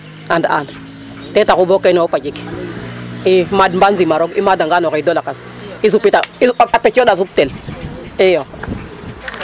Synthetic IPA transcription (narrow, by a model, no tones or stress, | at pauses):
anda̰n | tetakubokːenopad͡ʒik | imadmbanzimaɾoɡḭmadaŋɡanokaidolakas | is̬upitaiapet͡ʃodas̬up̚tel | ijo